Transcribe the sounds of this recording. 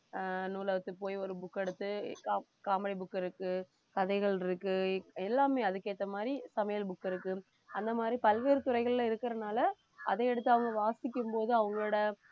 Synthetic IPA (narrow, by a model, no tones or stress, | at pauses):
nuːlɐʋɐt̪ːɯpoːjɔɾɯbʊkːɛɽɯt̪ːɯkaːmbɐɽɪbʊkːɪɾɯkːɯ | kɐðɐɪɣɐɭɪɾɯkːɯɛlːaːmeːɐðɯkeːʈ̪ːɐmaːd̪ɾisɐmɐjɐlbʊkːɪɾɯkːɯ | ɐnd̪ɐmaːd̪ɾipɐlʋeːɾɯt̪ʊrɐɪɣɐɭlɐ̃ɪɾɯkːɪɾɐnaːlɐ | ɐ̰ðeːɛɽɯt̪ːɯɐʋɐŋɡɐʋaːsɪk̬ʲːɯmpoːðɯɐʋɐŋɡɐɭːɽɐ